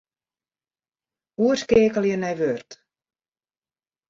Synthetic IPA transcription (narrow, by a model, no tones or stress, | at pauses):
uərskeːkəlˠjənɛjʋørt